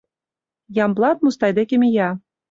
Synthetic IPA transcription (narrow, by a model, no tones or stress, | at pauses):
jɑmblˠɑt̪̚must̪ɑjd̪ekʲĕmʲijɑ